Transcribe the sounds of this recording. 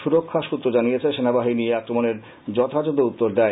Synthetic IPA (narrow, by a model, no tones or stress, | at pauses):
ʃuɾokʰːaʃut̪ːɾod͡ʑanijet͡ɕʰeʃenabaɦinieakɾomoneɾ | d͡ʑɔt̪ʰad͡ʑod̪out̪ːoɾd̪ae